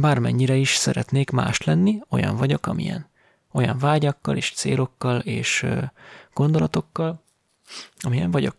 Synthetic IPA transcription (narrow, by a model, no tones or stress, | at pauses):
baːrmɛɲːiɾɛiʃsɛɾɛt̪neːkma̰ːʃlɛnːio̞̰jɒ̰ɱvɒɟo̞kɒmḭjɛ̰n | o̞jɒɱvaːɟɒkːɒleːʃt̪sḛːlo̞kːɒleːʃ | ɡ̥o̞nd̪o̞lɒt̪o̞kːɒl | ɒmijɛɱvɒɟo̞̰k